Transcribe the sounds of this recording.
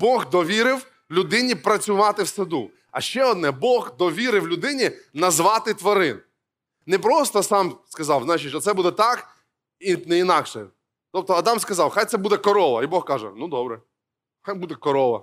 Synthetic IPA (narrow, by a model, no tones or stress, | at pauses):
bɔɣd̪ɔʋʲiɾɪw | lʲʊd̪ɪnʲipɾɐt͡sʲʊʋɑt̪ɪwsɐd̪u | ɐ̰ʃt͡ʃɛɔd̪̚nɛbɔɣd̪ɔʋʲiɾɪwlʲʊd̪ɪnʲinɐzʋɑt̪ɪt̪ʋɐɾɪn | nɛpɾɔst̪ɔsɑmskɐzɑwznajt͡ʃɪt͡ʃːɔt̪sɛbud̪ɛt̪ɑk | inɛinɑkʃɛ | t̪ɔp̚t̪ɔɐd̪ɑmskɐzɑwxajt̪sɛbud̪ɛkɔɾɔʋɐ̰ibɔxkɑʒɛ̰nud̪ɔbɾɛ | xajbud̪ɛkɔɾɔʋɐ